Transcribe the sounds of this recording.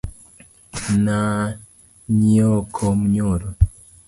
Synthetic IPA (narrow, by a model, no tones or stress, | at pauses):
na | ɲiɔkʰɔmuɲuɾo